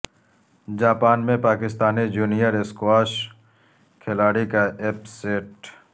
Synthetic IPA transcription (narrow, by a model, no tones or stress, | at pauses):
d͡ʒaːpaːnmẽpaːkɪst̪aːnid͡ʒuːnijəɾeskwaːʃ | kʰɪlaːɽikaepseːʈ